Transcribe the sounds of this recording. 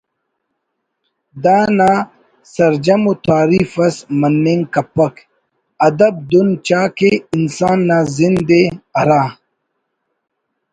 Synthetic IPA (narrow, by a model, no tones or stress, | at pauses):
d̪aːnaː | sɐɾd͡ʑɐmut̪ʰaːɾiːfɐsmɐnːeːŋkɐpːɐk | ɐd̪ɐb̚d̪unt͡ɕaːkeinsaːnːaːzind̪eɐɾaː